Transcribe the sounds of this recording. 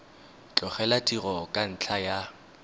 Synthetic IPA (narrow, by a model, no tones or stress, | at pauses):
t͡ɬʼɔχɛlatʼirɔkʼan̩t͡ɬʰaja